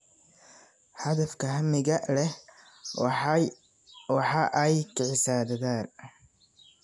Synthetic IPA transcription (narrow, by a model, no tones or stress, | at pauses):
ħɐðɐfkʰɐɦɐmɪɣɐlɛ | wɑħɑːʔɛjkʰɪʕɪsaːd̪ɐðaːn